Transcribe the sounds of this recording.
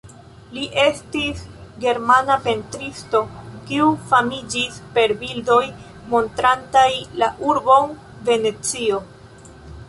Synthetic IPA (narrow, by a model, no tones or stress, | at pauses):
liʔe̞stisɡe̞ɾmanape̞ntɾisto̞kiufamid͡ʒispe̞ɾbildo̞j | mo̞ntɾantajlaʔuɾbo̞n | ve̞ne̞t͡sio̞